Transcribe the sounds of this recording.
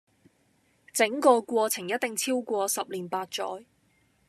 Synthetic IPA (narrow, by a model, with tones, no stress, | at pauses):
t͡sɪ˨˥ŋkɔː˧kʷɔː˧t͡sʰɪ˨˩ŋjɐ˥t̚t̪ɪ˨ŋt͡sʰiː˥wkʷɔː˧sɐ˨p̚liː˨˩npaː˧t̚t͡ʃɔ̰ː˨˥j